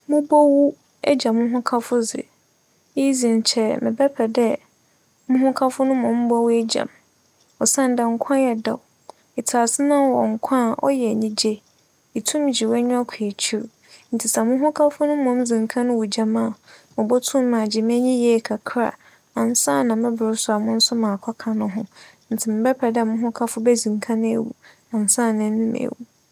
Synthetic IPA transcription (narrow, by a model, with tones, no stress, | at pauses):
mʊ̃˦bɔ˦wu˦ | ɛ˦d͡ʑã˨mʊ̃˦ɦʊ̃˦kʰa˦fʊ˦zɪ̰˨ | i˦zĩ˨ɲ˨t͡ɕʰɛ˨mɪ̰̃˨bɛ˦pʰɛ˨dɛ˦ | mʊ̃˦ɦʊ̃˦kʰa˦fʊ˦nʊ̃˦mɔ̃˨m˦bɔ˦wu˦ɛ˦d͡ʑã̰˨m | ɔ˨sã˦n˦dɛ˨ŋ̩˦kʷʰã˦jɛ˨da̰˨w | ɪ˨tʰa˨sɪ˦nã˦˨wɔ˨ŋ̩˨kʷʰã˦˨ʔɔ̰˦jɛ˨ɲĩ˦d͡ʑe˦ | i˨tʰũ˦m˦d͡ʑi˨wɛ˦ɲʊ̃˦a˦kʰi˨e˨t͡ɕʰi˦ɾ | n̩˨tʰɪ˨sa˨mʊ̃˦ɦʊ̃˦kʰa˦fʊ˦nʊ̃˦mɔ̃˨˦md͡zĩ˨ŋkʰã˦nʊ̃˦wu˨d͡ʑa˨mã˦˨mʊ̃˨bɔ˦tʰũ˦mː˦ã˨d͡ʑɪ˨m˦ɛ̃˦ɲĩ˦jɛ˦˨kʰa˨kʰɾa̰˨ | a˨n˨sã˦˨nã˨mɪ̃˦bʊ˨ɾʊ˦sʊ˨a˨mʊ̃˦n̩˦sʊ˦mãː˨kʷʰa˦kʰã˨nʊ̃˦ɦʊ̃˦ | n̩˨tʰɪ˨mɪ˨bɛ˦pʰɛ˨dmʊ̃˦ɦʊ̃˦kʰa˦fʊ˦bɛ˦zĩ˨ŋkʰã˦nʊ̃˦ḛ˨wṵ˨ | ã˨n˨sã˦˨nɪ̃˨˦nʊ̃˦m̰˨wu˨